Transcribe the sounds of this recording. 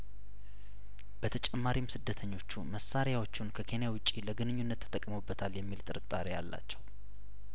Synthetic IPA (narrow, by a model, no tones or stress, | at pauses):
bət̪ʰət͡ʃʼɛmːaɾimsɨd̪ːət̪ʰəɲːo̞t͡ʃːuməsːaɾjawo̞t͡ʃːunkʰəkʰe̞njawʊt͡ʃʼːiləɡɨnɨɲːunːət̪ʰːt̪ʼəkʼmobːət̪ʰaljɛmːilt̪ʼɨɾɨt̪ʼːaɾejalːa̰t͡ʃːɛw